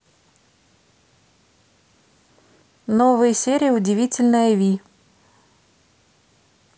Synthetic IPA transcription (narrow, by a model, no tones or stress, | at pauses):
novɨjəsʲeɾʲɪjəʊdʲɪvʲitʲɪlʲnəjəvʲi